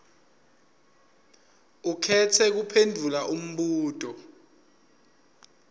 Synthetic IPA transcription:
ukʰɛtʰɛk̬upʰendʱulaʔum̩ɓuːtʼɔ

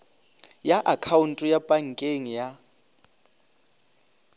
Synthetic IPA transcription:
jaʔakʰawuntʼjapʼaŋ̩kʼeŋija

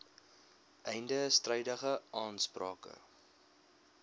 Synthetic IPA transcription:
ʔɛjndəstrɛjdəχəʔɑːnsprɑːkə̰

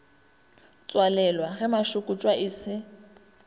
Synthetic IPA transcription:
t͡sʼwalɛlwaɣɛmaʃʊkʼʊt͡ʃʼwaʔiːsɪ

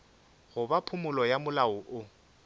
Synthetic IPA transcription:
ɣʊbapʰʊmʊlɔjamʊlaʊʔʊ

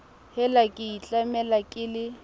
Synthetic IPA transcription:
hɛlakʼɪit͡ɬʼamɛlakʼɪlɪ

